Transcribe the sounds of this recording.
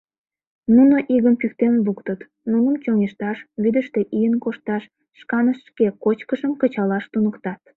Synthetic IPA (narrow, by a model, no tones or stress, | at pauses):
nunoʔiɣəmpykt̪enβukt̪ət̪ | nunəmt͡ɕoŋʲeʃt̪ɑʃβid̪əʃt̪e̽ʔijənkoʃt̪ɑʃː | kɑnəʃʃkekot͡ɕkəʃəmkət͡ɕɑlɑʃt̪unəkt̪ɑt̪̚